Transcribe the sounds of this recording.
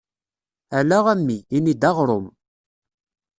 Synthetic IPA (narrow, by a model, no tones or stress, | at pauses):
ælæʁæmːiinid̪ɑʁɾˤom